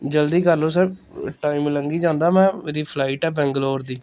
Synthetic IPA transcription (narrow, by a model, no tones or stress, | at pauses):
d͡ʒəld̪iːkəɾloːs̬əʈaːimləŋɡiːd͡ʒãːnd̪aːmɛ̃ːmeːɾiːpʰlaːiʈɛːbɛ̃ːŋɡəloːɾd̪iː